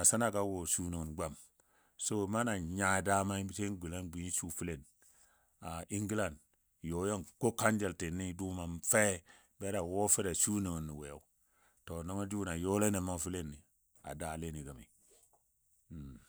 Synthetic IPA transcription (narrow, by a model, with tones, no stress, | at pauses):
a˨sa˦na˨ɡa˦wo˨su˦ni˨ŋu˨nɡ͡ba˦˨m | so˦ma˦na˨ɲa˨da˦ma˦te˦ɡi˨la˦nɡi˨˦su˦fi˦le˨n | a˨i˦ŋɡi˦la˨nd | jo˨˦jo˦nko˦ka˦nd͡ʒe˨lte˨nːi˦du˦ma˨nfe˦ | be˦ɾa˨wo˦fi˦ɾa˨su˦ni˨ŋi˨nːi˨we˨ja̰˨˦ | to˨no˦ŋo˦d͡ʒu˦na˨jo˦le˦ne˨ma˦fi˦le˦nːi˨ | a̰˨da˦˨le˦ni˨ɡa˨mḭ˨